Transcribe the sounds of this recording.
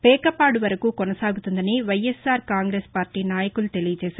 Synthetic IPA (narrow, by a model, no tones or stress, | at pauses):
pɛːkɐpaːɽuʋɐɾɐkuːkɔnɐsaːɡut̪und̪ɐniʋɐjesaːɾkaːŋɡɾeːspaːɾʈiːnaːjɐkulut̪e̞lijɐt͡ʃɛːʃaːɾ